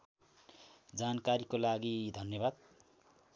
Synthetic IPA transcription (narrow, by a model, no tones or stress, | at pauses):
d͡zankaɾikolaɡid̪ʱʌnjʌbad̪̚